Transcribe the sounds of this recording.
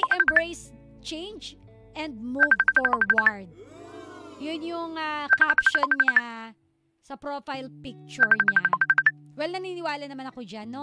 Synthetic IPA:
jʔɛmbɹejs | t͡ʃẽjnd͡ʒ | ʔɛnd̪̚muvfɔɹwɐɹd̪̚ | jʊnjʊŋakapʃonɲa | sɐpɾofajlpɪk̚t͡ʃʊɹɲa | wɛlnɐniːnɪwaːlɐnɐmanɐkod͡ʒanːo

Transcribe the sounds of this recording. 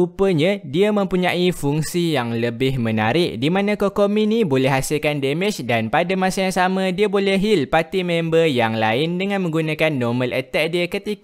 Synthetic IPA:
upəɲãdiamə̃mpuɲãʔifuŋsijaŋləbɪhmə̃na̰ɾɪʔdimãnãkokomĩnibolɛhɦasɪlkandɛmɪt͡ʃdanpadamasajaŋsamãdiabolɛɦilpat̪imɛmbəjaŋlaɪndəŋãnmə̃ŋɡunãkanːɔmə̃lɛt̪ɛʔ̚diakət̪ik

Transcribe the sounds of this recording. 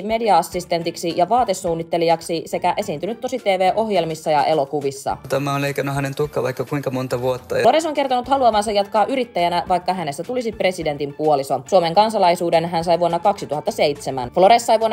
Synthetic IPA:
me̞diɑɑsːist̪e̞nt̪iksijɑʋɑːt̪esːuːnːit̪ːe̞liɑksisekæʔe̞siːnt̪ynyt̪ːo̞sit̪eːʋeːʔo̞hjelmisːɑjɑʔe̞lo̞kuʋisːɑ̰t̪æmæonleikɑnːˑuɦænent̪ukːɑʋɑikːɑkuiŋkɑmont̪ɑʋuot̪ːɑloɾesoŋke̞rt̪onut̪hɑluɑʋɑnsɑjɑt̪kɑːʔyɾit̪ːæjænæʋɑjkːɑɦænesːæt̪ulisipre̞side̞nt̪impuolisosuome̞ŋkɑnsɑlɑisuːdenɦænsɑjʋuonːɑkɑksit̪uhɑt̪ːɑse̞it̪semæ̰nflo̞ɾesːɑjʋuonː

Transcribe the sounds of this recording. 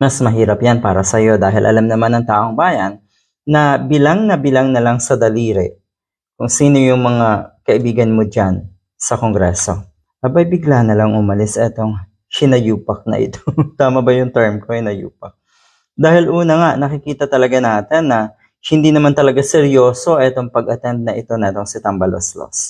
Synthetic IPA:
mɐsmɐɦiːɾɐpjanpa̰ːɾɐsɐjo̞d̪aːɦɪlʔɐ̰lamnɐmanːɐŋt̪aːʔoŋbaːjɐnː | ɐbɪlaŋnɐbɪlaŋnɐlaŋsɐd̪ɐliːɾɛ | kʊŋsiːno̞jʊŋmɐŋakɐʔɪbiːɡɐnmo̞d͡ʒan | sɐkoŋɡɾɛso̞ | ʔɐbɐjbɪɡlanɐlaŋʔʊmɐlɪsɐʔɛt̪o̞ŋ | ʃɪnɐjuːpɐk̚nɐ̰ʔɪ̰t̪ot̪aːmɐbɐjʊŋt̪ɛɹmkoɪnɐjṵːpɐk̚ | d̪aːhɪlʔuːnɐŋaʔnɐkɪkiːt̪ɐt̪ɐlɐɡanaːt̪ɛnːɐ | hɪnd̪iːnɐmant̪ɐlɐɡasɛɾjo̞ːso̞ʔɛt̪o̞ŋpɐɡɐt̪ɛnd̪̚nɐʔɪt̪o̞nɐʔɛt̪o̞ŋsɪt̪ɐmbɐlo̰slo̰s

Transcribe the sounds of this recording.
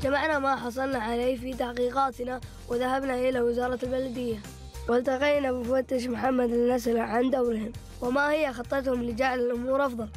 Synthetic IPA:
d͡ʒamaʕnamaħɑs̬ˤɑlnaʕaleːfit̪aħqiːqaːt̪na | wɪðahabnaʔɪlawɪzɑːɾˤɑalbalad̪ɪjːa | wɪlt̪aqijnabɪfat̪ːɪʃ̬mʊħamːad̪anaslaʕand̪awɾɪhɪm | wɪmahɪjːaxɑt̪ˤːɑt̪hʊmlɪd͡ʒaʕlalʔʊmuːɾʔɑfðˤɑl

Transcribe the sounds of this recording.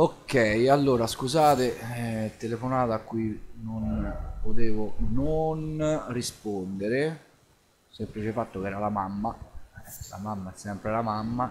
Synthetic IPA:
okːɛjalːoːɾaskuzaːt̪et̪elefonaːt̪aːkːwuinonpot̪eːvononrispond̪eɾe | semplit͡ʃefat̪ːokɛːɾalamamːaɛla̰mamːaɛsːɛmpɾelamamːa

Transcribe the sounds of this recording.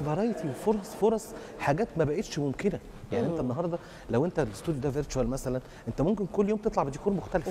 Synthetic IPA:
bɑɾˤɑjt̪ʰiwefoɾˤɑsˤfoɾˤɑsˤ | ħaɡæːt̪mæbæʔeːt̪ʃmomkenæ | jaʕniʔent̪ænːɑɦɑɾˤd̪ˤɑ | læwʔent̪ælest̪ud̪jod̪æveɾt͡ʃuælmæsælæn | ʔent̪æmomkenkolːjoːmt̪et̪ˤlɑʕbed̪ekuːɾmoxt̪ælef

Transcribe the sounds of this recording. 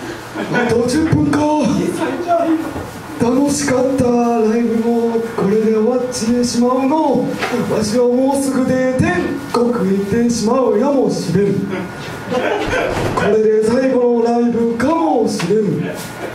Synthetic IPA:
at̪od͡ʑɯpːɯ̟̃ŋka | t̪ano̞ɕi̥kat̪ːaɾaibɯ̟moko̞ɾe̞d̪e̞oβat͡ɕiɕimaɯnoβaɕiomoːsɨɡɯ̟d̪e̞t̪ẽ̞ŋkokɯ̟it̪ːe̞ɕimaɯjamo̞ɕiɾeɾɯ̟ | kʰo̞ɾe̞d̪e̞saiɡo̞noɾaibɯ̟kamo̞ɕiɾeɾɯ̟

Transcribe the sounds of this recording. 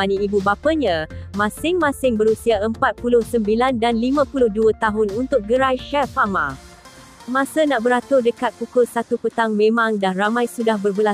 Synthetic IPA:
aniibubapəɲãmãsɪŋmãsɪŋbəɾusiaəmpat̪̚pulʊhsəmbilandanlimãpulʊhduət̪aɦʊnunt̪ʊk̚ɡəɾajʃafamã | mãsənaʔbəɾat̪ʊrdəkat̪̚pukʊlsat̪upət̪aŋmẽmãŋdanramãjsudahbərbəla

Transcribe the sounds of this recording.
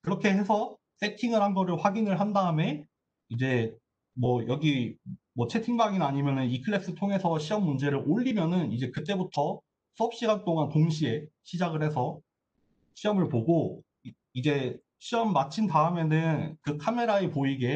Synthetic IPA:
kɯɾʌkʰe̞ɦe̞sʰʌ | s͈e̞tʰiŋɯɾhanɡʌɾɯɭɸwaɡinɯɭɦandaɯme̞ | id͡ʑe̞ | mwʌjʌɡimʌt͡ɕʰe̞tʰiŋbaŋinaɲimjʌnɯnikʰɯɭːe̞s͈ɯɭtʰoŋe̞sʰʌɕʰiʌmːund͡ʑe̞ɾɯɾʔoʎːimjʌnɯnid͡ʑe̞kɯt͈e̞butʰʌ | s͈ʰʌp̚ɕ͈iɡant͈oŋantoŋɕʰie̞ɕʰid͡ʑaɡɯɭhe̞sʰʌ | ɕʰiʌmɯɭpoɡo | id͡ʑe̞ | ɕʰiʌmːat͡ɕʰintaɯme̞nɯnkɯkʰame̞ɾaepoiɡe̞

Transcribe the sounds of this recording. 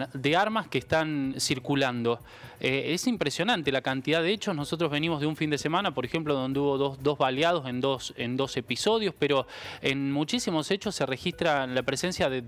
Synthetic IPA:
d̪eaɾmaskest̪ansiɾkuland̪o̞ | eesimpɾesjo̞nãnt̪e̞lakant̪iðaðeet͡ʃo̞sno̞so̞t̪̬ɾozβe̞nimo̞zð̞euɱfind̪e̞se̞manapo̞ɾexemploðo̞nd̪euβo̞ðod̪o̞zβaljað̞o̞se̞nd̪osend̪o̞se̞piso̞ð̞jo̞speɾo̞enmut͡ʃisimo̞set͡ʃo̞sːere̞xist̪ɾalapɾese̞nsjaðe

